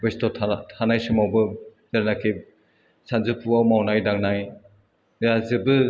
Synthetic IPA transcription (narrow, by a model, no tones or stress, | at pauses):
westɔtʰtʰanajsɯmawbɯ | z̥aɾnakʰi | sanzɯpʰuawmawnajdaŋnaj | jazɯbɯ